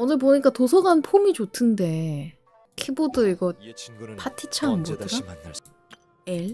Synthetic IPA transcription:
ʌnɯɭp̬oɲik͈atosʰʌɡanpʰomit͡ɕotʰɯnde̞ | kʰebodɯiɡʌpatʰit͡ɕʰaŋɯnɡotʰɯɡa | eɭ

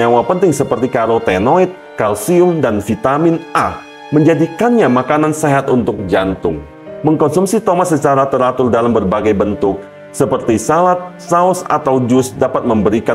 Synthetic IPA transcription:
awapənt̪ɪŋsəpərt̪ikaɾot̪enoit̪̚ | kalsiʊmdanfit̪amɪnʔa | məɲd͡ʒadikanɲamakananseɦat̪unt̪ʊk̚d͡ʒant̪ʊŋ | məŋkɔnsumsit̪omat̪̚sət͡ʃaɾat̪əɾat̪ʊldalambərbaɡajbənt̪ʊk̚ | səpərt̪isalat̪̚saʊsa̰t̪awd͡ʒʊsdapat̪̚məmbəɾika

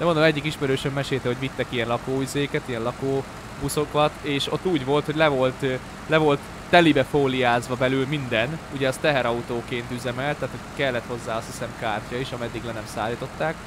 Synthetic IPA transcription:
d̪̥ɛmnd̪omɛɟːikiʃmɛɾøːʃɛmːɛʃeːlt̪ɛɦo̞ɟʋit̪ːɛkijɛnlɒkoːyzeːkɛt̪ijɛnlɒkoː | buso̞kɒt̪eːʃo̞̰t̪ːuːɟʋo̞lt̪ho̞ɟʲlɛvo̞lt̪ | lɛvo̞lt̪ːɛlibɛfoːlijaːzʋɒbɛlylmind̪ɛnuɟɛɒst̪ɛɦɛɾɒut̪oːkeːnt̪yzɛmɛlt̪ːaːt̪ho̞ɟkɛlːɛt̪ho̞zːaːɒst̪hi̥sɛmkaːrcɒiʃɒmɛd̪ːiɡlɛnɛmsaːlːiːt̪o̞t̪ːaːk

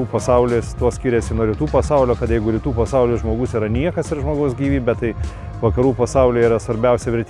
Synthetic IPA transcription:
uːpɐsɐʊlʲeːst̪uɔsʲkʲiːɾʲɛsʲɪnuɔɾʲɪt̪uːpɐsɐʊlʲoːkɐt̪jɛɪɡʊɾʲɪt̪uːpɐsɐʊlʲʊʒmoːɡʊsiːɾɐnʲiɛkɐsɪɾʒmoːɡɐʊsɡʲiːʋʲiːbʲɛt̪t̪ɐɪ | ʋɐkɐɾuːpɐsɐʊlʲʊːiːɾɐsʋɐɾʲbʲɛʊsʲɛʋʲɪɾʲt̪ʲ

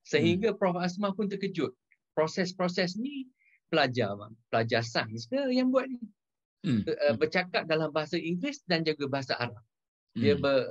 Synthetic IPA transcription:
səɦiŋɡapɾɔfasmãpʊnt̪əkəd͡ʒʊt̪̚ | pɾosɛspɾosɛsnĩ | pəlad͡ʒamapəlad͡ʒasanskəjaŋbuat̪̚ni | əbərt͡ʃakat̪̚dalambaɦasaʔiŋɡlɪsdand͡ʒuɡabaɦasaʔaɾap̚ | diəbə

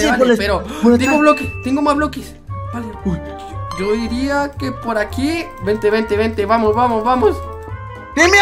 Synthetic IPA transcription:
alpeɾot̪eɡoβlokest̪eŋɡomazβlokes | aa | ʝo̞iɾiakepoɾakibent̪eβent̪eβent̪eβamosβamosβamos | im

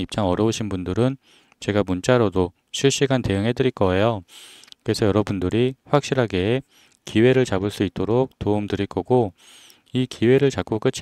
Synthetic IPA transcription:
ip̚t͡ɕ͈aŋʌɾjʌoɕʰinbundɯɾɯn | t͡ɕe̞ɡamunt͡ɕ͈aɾodo | ɕʰiɭɕ͈iɡante̞jɯŋɦe̞dɯɾiɭk͈ʌe̞jokɯɾe̞sʰʌjʌɾʌbundɯɾiɸwak̚ɕ͈iɾɦaɡe̞ː | kiwe̞ɾɯɭt͡ɕabɯɭs͈uit̚t͈oɾok̚toumdɯɾiɭk͈ʌɡo | ikʰiwe̞ɾɯɭt͡ɕak͈ok͈ɯt͡ɕʰ

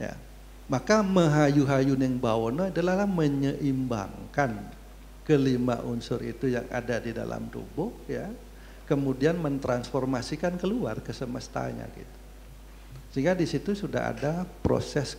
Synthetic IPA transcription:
ja̰ | makaməɦajuɦajunɛŋbaonoadalahlahməɲəʔimba̰ŋkan | kəlima̰ʔunsʊrit̪uja̰ŋa̰dadida̰la̰mt̪ṵbʊhja | kəmudianmənt̪ɾansformasikankəlua̰rkəsəməst̪a̰ɲa̰ɡḭt̪u̥ | səɦiŋɡadisit̪usuda̰ɦa̰dapɾo̰sɛs

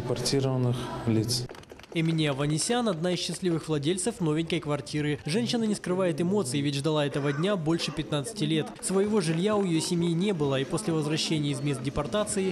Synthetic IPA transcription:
ɪpɐrtʲiɾəvənɨxlʲit̪sɛmʲɪnʲiɐvɐnʲɪsʲanɐd̪naisɕːɪsʲlʲivɨxvlˠɐdʲelʲt̪səfno̞vʲɪnʲkəjkvɐrtʲiɾɨʐɛnʲɕːɪnənʲɪskɾɨvajɪt̪ɨmo̞t̪sɨɪvʲɪtʲʐd̪ɐlˠaɛt̪əvədʲnʲabo̞lʲʂɨpʲɪt̪nat̪sɨ̥tʲɪlʲe̞t̪svəjɪvo̞ʐɨlʲjaʊjɪjosʲɪmʲjinʲe̞bɨlˠəipo̞sʲlʲɪvəzvrɐɕːenʲɪjəɪzmʲe̞st̪̚dʲɪpɐrt̪at̪sɨɪ

